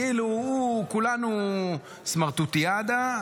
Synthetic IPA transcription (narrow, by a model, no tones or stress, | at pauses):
iluukulanu | smaʁt̪ut̪iad̪a